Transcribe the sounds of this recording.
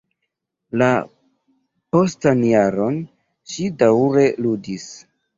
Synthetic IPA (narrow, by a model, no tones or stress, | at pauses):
la | po̞stanjaɾo̞n | ʃidawɾe̞ludis